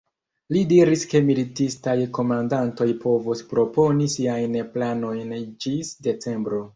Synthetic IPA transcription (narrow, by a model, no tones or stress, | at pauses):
lidiɾiske̞militistajko̞mandanto̞jpʰo̞vuspɾo̞po̞nisiajnplano̞jnd͡ʒisde̞t͡se̞mbɾo̞